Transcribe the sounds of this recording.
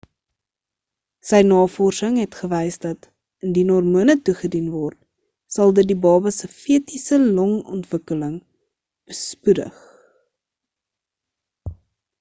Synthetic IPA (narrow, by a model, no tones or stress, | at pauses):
səjnɑːfɔrsəŋɦɛtχəvɛjsdɐt | əndinɔrmuənətuχədinvɔrt̚ | sɐlˠdədibɑːbəsəfiətisəlɔŋɔ̰ntvəkələŋ | b̥əspudə̰χ